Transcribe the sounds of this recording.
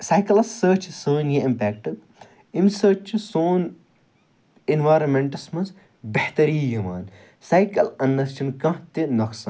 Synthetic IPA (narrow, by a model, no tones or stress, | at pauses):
sajkɐlɐssəːt͡ʃʰsəːnjeimpɛːk̚ʈɐd̪̚ | imsəːt͡ʃʰusoːn | enʋaːjɾɐmːeɳʈɐsmɐns | beht̪ɐɾiːjimaːn | sajkɐlɐnːɐst͡ʃɐnkɐ̃ɦt̪inɐksaːn